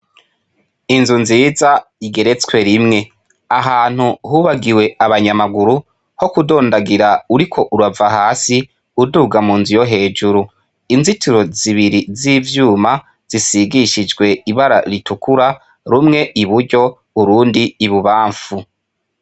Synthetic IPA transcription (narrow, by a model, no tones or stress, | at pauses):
inzunziːzaiɡe̞ɾe̞t͡skwe̞ɾimŋe̞ | aɦaːn̥huhuːβaɡiwe̞aβaɲamaɡuɾu | ho̞kudo̞ːndaɡiɾauɾikʰo̞ʔuɾavaɦaːsi | uduːɡamuːnzujo̞ɦe̞ːd͡ʒuɾu | inzituɾo̞ziβiɾiziːvjuːma | z̥isiɡiʃid͡ʒɡwe̞iβaɾa̰ɾitukuɾa | ɾumŋe̞ʔiβuɾɟo̞ | uɾuːndiːβuβaːɱfu